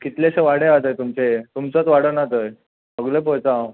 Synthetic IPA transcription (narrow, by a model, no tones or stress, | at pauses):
kit̪leɕeʋaɽeat̪əjt̪umt͡set̪umt͡sət͡sʋaɽənat̪əj | əɡlep̬əjt͡sa